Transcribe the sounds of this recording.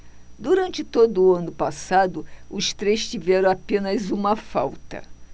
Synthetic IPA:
d̪uɾɐ̃nt͡ʃɪt̪od̪ʊɐ̃nʊpasad̪ʊʊst̪ɾejst͡ʃivɛɾɐ̃w̃apẽnɐzũmɐfa̰wt̪ɐ̰

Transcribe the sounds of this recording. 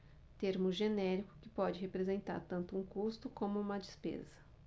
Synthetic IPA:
t̪eɾmʊʒenɛɾikʊ̥kɪ̥pɔd͡ʒɪɦepɾezẽnt̪a̰ɾt̪ɐ̃nt̪ʊũkust̪ʊkõmʊũmɐd͡ʒispḛzɐ

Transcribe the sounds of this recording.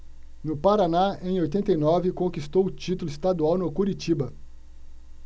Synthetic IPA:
nʊpaɾanaẽj̃ojt̪ẽnt̪ejnɔvɪkõkist̪owʊt͡ʃit̪ʊlʊist̪ad̪uawnʊkuɾit͡ʃibɐ

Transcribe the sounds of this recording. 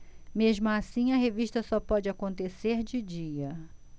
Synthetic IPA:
meʒmʊasĩɐɦeviʃt̪ɐsɔpɔd͡ʒɪakõnt̪eseɾd͡ʒɪd͡ʒiɐ

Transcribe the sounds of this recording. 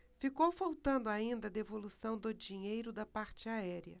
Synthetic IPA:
fikowfawt̪ɐ̃nd̪ʊaĩnd̪ɐd̪evolusɐ̃w̃d̪ʊd͡ʒiɲejɾʊd̪ɐpaɾt͡ʃɪaɛɾiɐ̰

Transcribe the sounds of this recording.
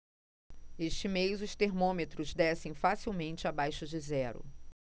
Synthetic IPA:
eʃt͡ʃɪmejzʊst̪eɾmõmet̪ɾʊzd̪ɛsẽj̃fasiwmẽnt͡ʃɪabajʃʊd͡ʒɪzɛɾʊ̰

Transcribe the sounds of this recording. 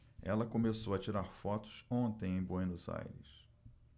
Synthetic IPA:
ɛ̰lɐkomesowɐt͡ʃiɾaɾfɔt̪ʊ̥sõnt̪ẽj̃ẽj̃bõjnʊza̰jɾɪs

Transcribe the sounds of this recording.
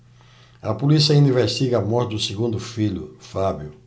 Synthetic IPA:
ɐpulisiɐuniveɾʃt̪iɡɐɐmɔɾɪd̪ʊseɡũnd̪ʊfiʎʊfabjʊ

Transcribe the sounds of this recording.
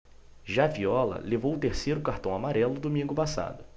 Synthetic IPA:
ʒaviɔlɐ̰levowʊt̪eɾsejɾʊkaɾt̪ɐ̃w̃amaɾɛlʊd̪omĩŋɡʊpasa̰d̪ʊ

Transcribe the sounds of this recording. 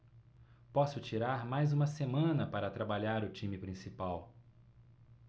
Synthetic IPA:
pɔsʊt͡ʃiɾaɾmajzũmɐsemɐ̃nɐpaɾɐt̪ɾabaʎaɾʊt͡ʃĩmɪpɾĩsipaw

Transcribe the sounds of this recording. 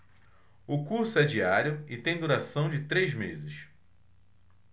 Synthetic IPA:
ʊkuɾsʊɛd͡ʒiaɾjʊɪt̪ẽj̃d̪uɾasɐ̃w̃d͡ʒɪt̪ɾejzmezɪs

